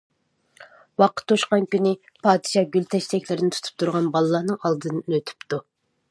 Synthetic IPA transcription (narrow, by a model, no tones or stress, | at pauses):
wɑqə̥t̪ʰːoʃqɑnkʲynɪ | pʰɑːd̪ɨʃɑɡʲylt̪ʰɛʃt̪ɛkʲlɪɾɪnɪt̪u̥t̪ʰu̥p̚t̪ʰuɾʁɑnbɑlˠɨlˠɑhnɨŋɑlˠd̪ɨnɨnøt̪ʰy̥pt̪u